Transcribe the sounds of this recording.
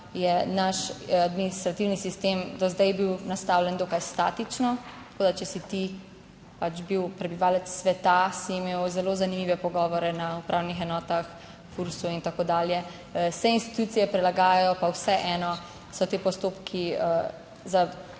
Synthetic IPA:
jɛnaʃad̪minist̪ɾat̪iwnisist̪emd̪ɔzd̪ɛjbiwnast̪awlɛnd̪okajst̪aːt̪it͡ʃnɔt̪ḁkoːd̪at͡ʃɛsit̪i | pat͡ʃbiwpɾɛbiʋaːlɛt̪sːʋɛt̪asiːmeːwzɛlozanimiʋɛpɔɡɔːʋɔɾɛnaupɾʔawnixɛnɔːt̪ax | fuɾsuint̪akoːd̪aːljɛ | sɛinst̪i̥t̪uːt̪sijɛpɾɛlaɡaːjajɔpawsɛʔɛːnɔ | sɔt̪eːpɔst̪oːpkʰiə | za

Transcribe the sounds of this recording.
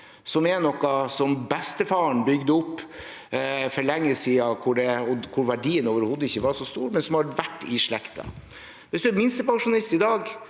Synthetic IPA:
sɔmɛnɔkːɑsɔmbɛst̪əfɑːəɳbʏɡd̪əʊpː | fɔɾlɛŋːəsiːɑkʰʊɖɛɔkʰʊɾʋæɖiːənoːʋəɾhoːd̪ːəɪçːəʋɑʂɔst̪ṵːɾmɛnsɔmhɑɾʋæʈːɪʂɭɛkt̪ʰɑ̰ | ʋɪsd̪ʉæɾmɪnst̪əpɑŋʂʊnɑlɪst̪ɪd̪ɑːɡ

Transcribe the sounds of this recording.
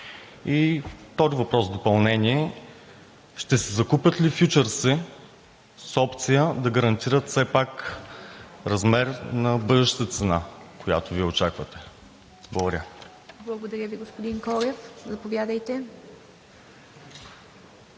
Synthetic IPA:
it̪ɔzivɐpɾɔsd̪opɐlˠnɛniɛ | ʃt̪ɛsɛzɐkupʲjət̪lifjut͡ʃəɾsɛ | sɔpt̪sijəd̪ɐɡəɾɐnt̪iɾət̪sɛpak | ɾɐzmɛɾnɐbɤd̪ɛʃt̪ət̪ət̪sɛnakoja̰t̪oviɛot͡ʃakvət̪ɛ̥ | blˠəɡoɾʲə | blˠɐɡod̪ɐɾʲjəviɡospod̪iŋkɔɾʲɛfzɐpovjad̪əjt̪ɛ

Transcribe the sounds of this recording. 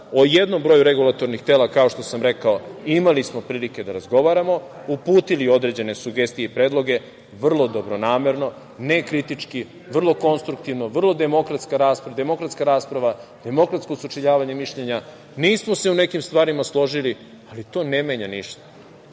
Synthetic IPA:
oje̞d̪no̞mbɾo̞juɾe̞ɡulˠat̪o̞ɾnixt̪elˠakao̞ʃt̪o̞samɾe̞kaoimalismo̞pɾiːlike̞d̪aɾazɡo̞ʋaɾamo̞ | upuːt̪ilio̞d̪ɾe̞d͡ʑe̞ne̞suɡe̞st̪ije̞ipɾe̞ːd̪lˠo̞ɡe̞ | ʋr̩lˠo̞d̪o̞bɾo̞naːme̞ɾno̞ | ne̞kɾit̪it͡ʂki | ʋr̩lˠo̞ko̞nst̪ɾuk̚t̪iʋnoʋr̩lˠo̞d̪e̞mo̞kɾat̪skaɾaːspɾad̪e̞mo̞kɾat̪skaɾaːspɾaʋad̪̥e̞mo̞kɾat̪sko̞sut͡ʂiʎaːʋaɲe̞miʃʎeɲa | niːsmose̞une̞kimst̪ʋaːɾimaslˠo̞ʒili | alit̪o̞ːne̞meːɲaniʃt̪ḁ

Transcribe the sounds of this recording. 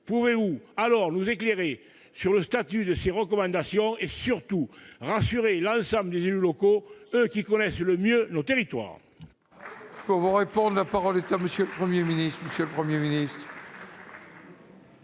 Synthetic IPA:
puvevualɔʁnuzekleʁe | syʁləst̪at̪yd̪əseʁəkɔmɑ̃nd̪asjɔ̃esyʁt̪uʁasyʁelɑ̃sɑ̃mbləd̪ezelylɔkoøkikɔnɛsləmjønot̪eʁit̪wa̰ʁ | puʁvuʁepɔ̃d̪ʁəlapaʁɔlet̪aməsjøləpχəmjeminist̪χməsjələpχəmjeminist̪χ

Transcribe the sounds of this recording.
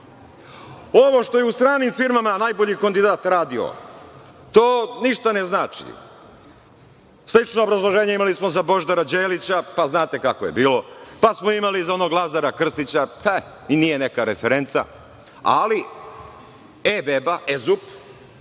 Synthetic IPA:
o̞ʋo̞ʃt̪o̞jeust̪ɾaːnimfiɾmamanajbo̞ʎikand̪id̪aːt̪ɾaːd̪io̰ | t̪oːniʃt̪aneznaːt͡ʃḭ | slit͡ʃnoːbɾazlˠoʒe̞ːɲeimalismo̞zabo̞ʒd̪aɾad͡ʑeːlit͡ɕapaznaːt̪e̞kakoje̞biːlo̞pasmoimaliizo̞noɡlˠazaɾakr̩st̪it͡ɕapʰa | inije̞ne̞kaɾefeɾe̞nt̪sa̰ | a̰li | ebebaʔezup

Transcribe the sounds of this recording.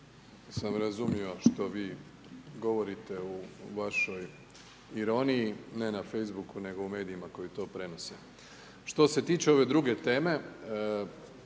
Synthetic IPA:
samɾazumio̞ʃt̪o̞ʋiː | ɡo̞ʋo̞ɾit̪e̞uʋaʃo̞j | iɾo̞nijːne̞nafe̞jzbukune̞ɡo̞ume̞ːd̪iːmako̞jit̪o̞ːpɾe̞no̞se | ʃt̪o̞se̞t̪iːt͡ʃeo̞ʋe̞d̪ɾuɡe̞t̪e̞ːme̞

